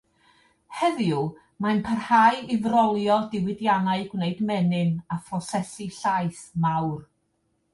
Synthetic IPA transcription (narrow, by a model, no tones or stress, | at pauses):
hɛðju | manpʰərhajɪvrɔlˠjɔdɪwɪdjanaɨɡwneɨdmɛnɨnafrɔsɛsiɬajθmawr